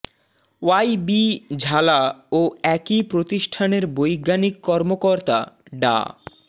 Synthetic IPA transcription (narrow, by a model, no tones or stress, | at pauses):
wajbid͡ʑʱalaoɛkipɾot̪iʃʈʰaneɾbojɡanikːɔɾmokoɾt̪a̰ɖa̰